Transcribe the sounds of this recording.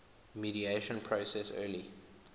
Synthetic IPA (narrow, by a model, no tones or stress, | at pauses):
miɾieʃə̃npʰɹosɛsɜːli